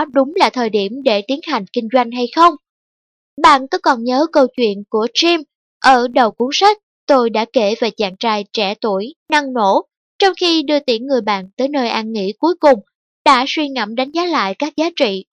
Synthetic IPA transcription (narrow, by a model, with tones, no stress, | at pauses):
ɗʊ˨˦ŋ͡mlaː˨˩t̪ʰəː˨˩jɗi˧˩əmɗe˧˩t̪i˨˦ənɦa˨˩jŋ̟kï˧ŋ̟zwa˧jŋ̟ɦa˧jxə˧wŋ͡m | ɓa̰ː˧˨nkɔ˨˦kɔ˨˩nɲəː˨˦kə˧wt͡ɕwḭ˧˨ənku˧˩ət͡ɕi˧m | ʔəː˧˩ɗə˨˩wku˨˦əŋsa˦˥k̟̚ | t̪o˧jɗa̰ː˧˥ke˧˩ve˨˩t͡ɕa̰ː˧˨ŋt͡ɕaː˧jt͡ɕɛ˧˩t̪u˧˩əjna˧ŋno̰˧˥ | t͡ɕɔ˧wŋ͡mxi˧ɗɨ˧ət̪i˨˦˥əŋŋɨ˨˩əjɓa̰ː˧˨nt̪əː˨˦jnəː˧jʔaː˧nŋḭ˧˥ku˨˦jkʊ˨˩ŋ͡m | ɗa̰ː˧˥swi˧ŋə̰˧˩mɗa˨˦jŋ̟zaː˨˦la̰ː˧˨jkaː˦˥k̚zaː˨˦t͡ɕḭ˧˨